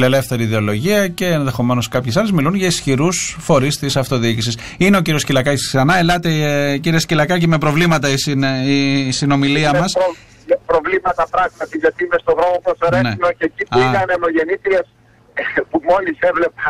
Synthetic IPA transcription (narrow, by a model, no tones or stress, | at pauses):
le̞le̞fθe̞ɾiːðe̞o̞lo̞ʝiɐce̞ːnðe̞xo̞me̞no̞skɐpçesɐle̞zmilunʝɐisçiɾusfo̞ɾist̪isɐft̪o̞ðiicisis | ine̞o̞ciɾio̞scilɐkɐcsksɐnɐe̞lɐt̪e̞ciɾiescilɐkɐceme̞pɾo̞vlimɐt̪ɐisisino̞miliɐmɐsɾo | pɾo̞vlimɐt̪ɐpɾɐɣmɐt̪iʝɐt̪iimest̪oɣɾomopɾoseɾenenocecipiɐnemoʝe̞nit̪ɾies | pumo̞lisevle̞pɐ